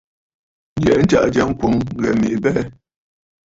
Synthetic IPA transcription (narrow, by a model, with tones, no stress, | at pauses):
n̩˦d͡ʒɛ˨˦n̩˦t͡ʃa̰˦˨ʔd͡ʒa˦ŋ˦ko˨ŋɣɛ˨mḭ˨ʔbɛ˦